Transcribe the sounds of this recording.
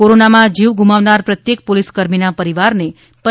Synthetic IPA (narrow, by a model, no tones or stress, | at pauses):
koɾonamãd͡ʒiʋɡumaʋnaɾpɾət̪jek̚poliskəɾminapəɾiʋaɾne | pə